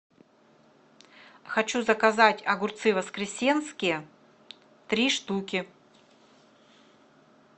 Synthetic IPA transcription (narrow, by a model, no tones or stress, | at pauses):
xɐt͡ɕuzɐkɐzatʲɐɡʊrt̪sɨvəskɾʲɪsʲenskʲɪjə | t̪ɾʲiʂt̪ukʲɪ